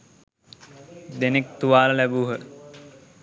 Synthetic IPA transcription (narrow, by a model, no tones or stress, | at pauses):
d̪enek̚t̪uʋaːləlæbuɦə